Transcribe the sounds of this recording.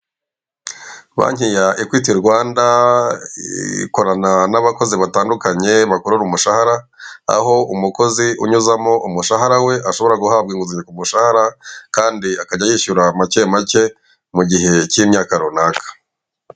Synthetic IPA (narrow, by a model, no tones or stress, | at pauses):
βa̰ɲ̥hijaʔikwiːtiɾɡwaːnda | ḭko̞ɾananaβako̞ziβataːndukaɲe̞βakoɾuɾumuʃahaɾa | a̰ɦo̞umuko̞ziʔuɲuzamo̞umuʃaɦaɾawe̞ʔaʃo̞βo̞ɾaɡuhabɡiːŋɡuziɲekumuʃahaɾakaːndiakaɟajiːʃuɾamace̞ːmace̞ | muɟiɦe̞cimɲaːkaɾonakʰḁ